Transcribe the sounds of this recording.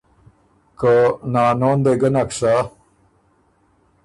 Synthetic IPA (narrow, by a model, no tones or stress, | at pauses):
kənaːnoːnd̪eɡɐnɐkʂa